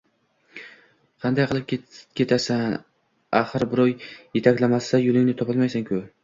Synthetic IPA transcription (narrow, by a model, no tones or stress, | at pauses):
qʰɑnd̪ajqʰɨlˠɪp̚ʲkʲʰe̞t̪ʰasan | aχɨɾbɪɾɒjːet̪ʰakʲlamasajʊlˠɪŋnɪt̪ʰɒpɨlˠmajsankʲʰʊ